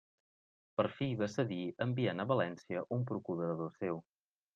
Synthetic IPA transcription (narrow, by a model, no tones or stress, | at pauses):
pəɾfiβəsəðiəmbianəβəlɛnsiəʔumpɾukuðəɾəðosew